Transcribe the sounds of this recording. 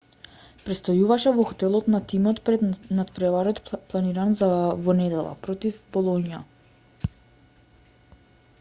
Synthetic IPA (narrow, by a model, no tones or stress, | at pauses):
pɾɛt̪st̪ɔjuvaʃɛvɔxɔt̪ɛlˠɔt̪nat̪imɔt̪pɾɛd̪nat̪pɾɛvaɾɔt̪plˠaniɾanzavɔnɛd̪ɛlˠa̰pɾɔt̪ifbɔlˠɔnija̰